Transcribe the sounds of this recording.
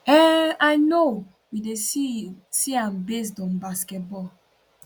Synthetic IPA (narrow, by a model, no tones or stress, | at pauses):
ɛajno | wideisiãnbes̬dɔ̃nbaskɛt̚bɔ